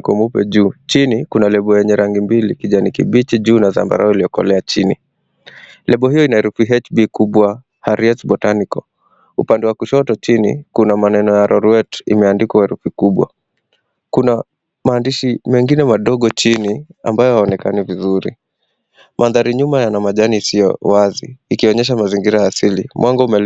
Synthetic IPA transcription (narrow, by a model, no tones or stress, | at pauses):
kɔmupɛ̰ʄuːt͡ʃinikunalɛɓɔjɛɲɛɾaŋɡimbilikiʄanikiɓit͡ʃiʄuːnaða̰mba̰ɾaɔiliɔkɔ̰lɛat͡ʃinḭ | lɛɓɔhijɔinaɛɾufiɦɛt͡ʃbikuɓwa | haɾiɛtbɔtanikɔ | upandɛwakuʃɔtɔt͡ʃinḭkunamanɛnɔjaɾʔɔɾɛtḭmɛandikwahɛɾufikuɓwa̰ | kuna | maːndiʃimɛŋɡinɛmaɗɔɠɔt͡ʃinia̰mbajɔhaɔnɛkanivizuɾḭ | mʔaðaɾiɲumajanamaʄanisijɔ̰wazḭːkiɔɲɛʃ̬amaziŋɡiɾajasilimwʔaŋɡɔumɛ